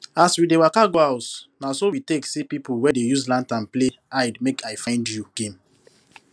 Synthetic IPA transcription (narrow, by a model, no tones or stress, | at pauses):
aswidewakaɡoaʊtnasowiteksepipuwɛdejuzlãntãnpleaɪdmekajfãɪ̃ndjuɡ̥ẽm